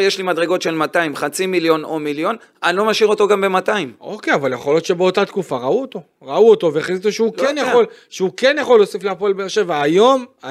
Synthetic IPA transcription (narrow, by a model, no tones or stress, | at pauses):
jeʃlimadʁeɡo̞tʃe̞lmataimχat͡similjo̞nomiljo̞n | anlo̞maʃiʁo̞t̪o̞ɡambe̞mat̪aimo̞̰kejavaljeχo̞ljo̞t̪ʃe̞beo̞t̪at̪kufaʁauot̪o̞ | ʁauot̪o̞veχeizit̪oʃeukenjaχolʃeukenjaχo̞lːo̞sifleapolbeeʁʃe̞vaːjo̞ma